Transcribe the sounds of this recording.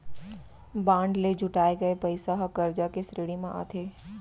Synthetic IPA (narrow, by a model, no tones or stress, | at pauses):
bãːɳɖled͡ʒʱʊʈaːeɡɐepəɪsaɦɐkəɾd͡ʒakesɾeːɽimãʔa̰ːt̪ʰeː